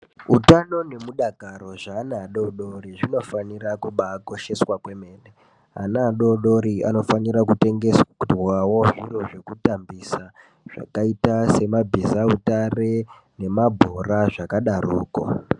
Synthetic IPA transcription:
utano̞ne̞muɗaɡʱaɾo̞ʐaːnaɗoɗoriʐino̞fanirakuɓako̞ʃe̞swakwe̞meːne | a̰naːɗoɗo̞ɾia̰no̞faniɾakute̞ŋɡe̞swwawoʐiro̞ʐe̞kutambisa | ʐ̥a̰kaitase̞mabʱizautare | ne̞mabʱoraʐakaɗaruːko̰

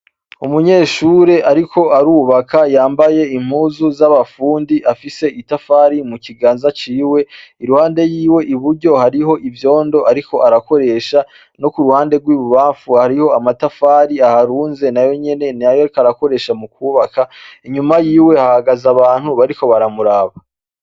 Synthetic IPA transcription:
umuɲe̞ːʃuɾe̞ʔaɾikʰo̞aɾuːβakʰajaːmbaje̞im̥huːzuzaβafuːndiʔafise̞ʔitafaːɾimuciɡaːnzat͡ʃiːwe̞iɾuhaːnde̞jiːwe̞ʔiβuɾɟo̞haɾiho̞ʔivjo̞ːndo̞ʔaɾiko̞ʔaɾako̞ɾe̞ːʃa | no̞kuɾuhaːnde̞ɡwiːβuβaːɱfuhaɾiho̞amatafaːɾiahaɾuːnze̞najo̞ɲe̞ne̞niajokaɾako̞ɾe̞ːʃamukuːβakʰaiɲumajiːwe̞hahaɡazaβaːn̥huβaɾiko̞βaɾamuɾaːβa

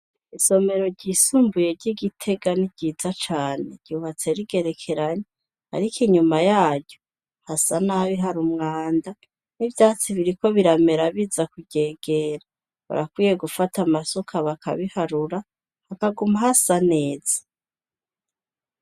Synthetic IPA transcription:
iso̞me̞ɾo̞ɟisumbuje̞ɾɟiɡitʰe̞ɡaniɟ̥iːzat͡ʃaːne̞ɾɟ̥uβat͡se̞ɾiɡe̞ɾe̞kʰe̞ɾaɲe | ha̰ɾikiɲumajaːɟo | hasanaβiɦaɾumŋaːnda | nivjaːt͡siβiɾiko̞βiɾame̞ɾaβizakuɟe̞ːɡ̥e̞ɾa | βa̰ɾakwiːje̞ɡufatamaso̞kʰaβakʰa̰βihaɾuɾa | hakaɡumahasane̞ːz̥ḁ

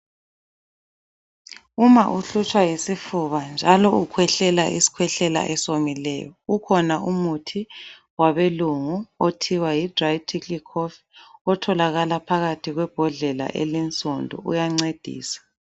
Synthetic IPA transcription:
umaʔuɬut͡ʃʰʼwajisifuβand͡ʒʱalɔukʰwɛɬɛla̰ʔisi̥kʰwɛɬɛla̰ʔɛsomilɛ̰jɔukʰɔnaumutʰi | waβeluŋuotʰiwajid̥rajtʰʼikikʰɔf | ɔtʰɔlaɣalapʰaɣatʰiɣwɛb̥ʱɔɮɛla̰ʔɛ̰lint͡sʼondʱɔ̰ṵjaŋ͡ǀed̥ʱḭːsḁ

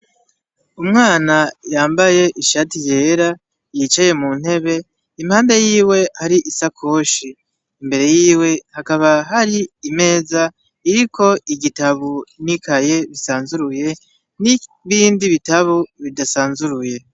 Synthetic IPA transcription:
umŋaːnajaːmbaje̞ʔiʃatije̞ːɾa | jit͡ʃaje̞mun̥he̞βe̞ | imhaːnde̞jiːwe̞haɾiʔisakʰo̞ːʃiː | mbe̞ɾe̞jiːwe̞hakaβaɦaɾiime̞ːza | iɾiko̞ʔiɟitaβunikaje̞βisaːnzuɾuje̞ | ni | βiːndiβitaβuβidasaːnzuɾuje̞

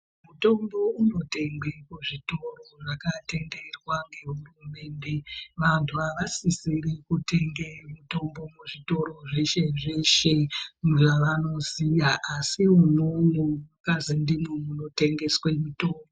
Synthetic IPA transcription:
muto̞mbo̞uno̞te̞ŋɡekuʐito̞ro̞ʐakate̞nde̞rwaŋɡe̞ɦurume̞ːnde̞ʋantʰuaʋasisirikute̞ŋɡemuto̞mbo̞muʐito̞ɾo̞ʐeʃe̞ʐeʃe̞ʐaʋano̞zijaʔːsiwonoŋomakazindimomuno̞te̞ŋɡe̞swemuto̞ːmbo

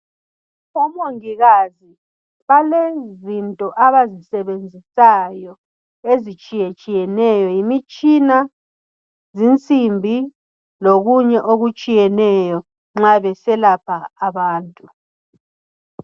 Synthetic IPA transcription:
ɔmoŋiɣazi | βalezintʼɔʔaβazisɛβend͡zʱisajɔ | ezit͡ʃʼijɛt͡ʃʼijɛnɛjɔjimit͡ʃʼina | zint͡sʼimbʱi | loɣuɲɛʔoɣut͡ʃʼijɛnɛjɔ | ŋ͡ǁaβɛsɛlapʰaːβaːntʼu

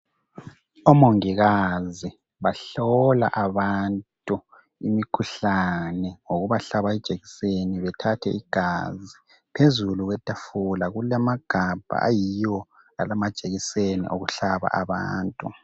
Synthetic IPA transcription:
ɔmoŋiɣazi | βaɬɔla̰ʔaβantʼu | imikʰuɬanɛŋoɣuβaɬaβaɛd̥ʒ̥ʱeɣiseniβɛtʰatʰɛ̰ʔiɡ̥ʱazi | pʰezuluɣwɛtʼafulaɣulamaɡ̥ʱab̥ʱa̰a̰jijɔ | a̰lamad̥ʒ̥ʱeɣisenḭʔoɣuɬaβa̰ʔaβa̰ːntʼu

